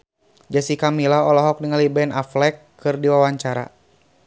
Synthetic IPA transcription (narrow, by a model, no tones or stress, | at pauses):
d͡ʒasikamilaɔlɔɦɔk̚diŋalibɛnaflɛkː | ɨrdiwawaɲt͡ʃaɾa̰